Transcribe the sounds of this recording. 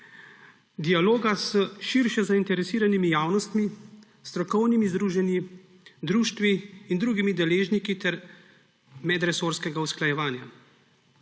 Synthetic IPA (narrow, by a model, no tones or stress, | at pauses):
d̪ialoːɡasəʃiɾʃɛzaint̪ɛɾɛsiːɾanimijaːwnɔst̪mi | st̪ɾɔkɔwnimizd̪ɾuːʒɛnji | d̪ɾuːʃt̪ʋiːnd̪ɾuːɡimid̪ɛleːʒnikit̪ɛɾ | mɛd̪ɾɛsoːɾskɛɡausklajɛʋaːnja